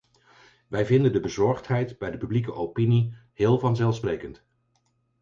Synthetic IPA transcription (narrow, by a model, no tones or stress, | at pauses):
ʋɛjvɪndəndəbəzɔɹχtɦɛjtbɛjdəpyblikəʔowpinihɪːlˠvɑnzɛlˠfsprejkənt